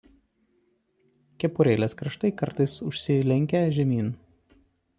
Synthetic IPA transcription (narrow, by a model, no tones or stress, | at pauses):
kʲɛpʊɾʲeːlʲeːskɾɐʃt̪ɐɪkɐɾt̪ɐɪsʊʃʲsʲɪlʲɛŋʲkʲɛʒʲɛmʲiːn